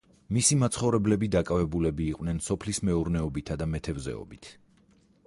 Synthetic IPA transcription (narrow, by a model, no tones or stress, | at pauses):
misimat̪sʰχɔvɾɛblɛbid̪akʼavɛbulɛbiːqʼwnɛnsɔpʰlismɛuɾnɛɔbit̪ʰad̪amɛt̪ʰɛvzɛ̰ɔ̰bit̪ʰ